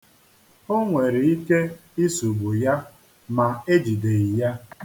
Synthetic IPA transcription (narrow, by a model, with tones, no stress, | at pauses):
o˦ŋʷe˨ɾi˨i˦ke˦i˦su˨ɡ͡bu˨ja˦ | ma˨e˦d͡ʒi˨de˨i˨ja˦